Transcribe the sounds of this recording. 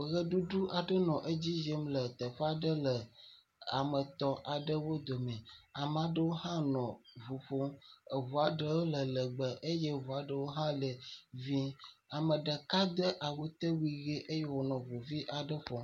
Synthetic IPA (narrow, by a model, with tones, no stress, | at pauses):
ɣə˦ɖu˦ɖu˦ʔa˨ɖə˦nɔ̃˨ʔe˦d͡ʑi˦je˦mlə˨t̪ə˨ɸa˦ɖə˦lə˨ | a˨mə˨t̪ɔ˦ʔa˨ɖə˦wo˦d̪o˨mɛ̃˨a˨m˨a˨ɖə˦wo˦hã˦nɔ̃˨vu˨ɸo˦ə˨vu˨a˨ɖə˦wo˦lə˨lə˨ɡ͡bə˨ʔe˦je˦vu˨a˨ɖə˦wo˦ɦã˦lə˨vi˦a˨mə˨ɖə˨ka˦d̪ə˦ʔa˨wu˦t̪ə˦wi˨ɣe˦ʔe˦je˦wo˨nɔ̃˨vu˨vi˦ʔa˨ɖə˦ɸɔ˨